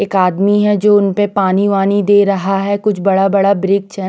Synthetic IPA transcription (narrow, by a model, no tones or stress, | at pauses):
eːkaːd̪miɦɛd͡ʒoːʊnpepaːniʋaːnid̪eːɾɐɦaɦɛkʊt͡ʃʰbɐɽabɐɽabɾɪk̚t͡ʃɦɛ